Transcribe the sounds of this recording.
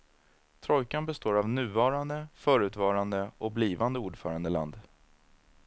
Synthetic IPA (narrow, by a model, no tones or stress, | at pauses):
t̪ʰɾɔjkanbɛst̪oːɾavnʉ̟ːvɑːɾand̪əfœːɾʉ̟ːt̪vɑːɾand̪əʔɔk̚bliːvand̪əuːɖfœːɾand̪əla̰nd̪